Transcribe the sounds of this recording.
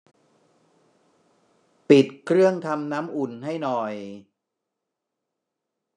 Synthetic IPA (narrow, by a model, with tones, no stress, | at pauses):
pi˨˩t̪̚kʰɾɯ˥˩əŋt̪ʰa˧mnaː˦˥mʔu˨˩nɦa˥˩jnɔ˨˩j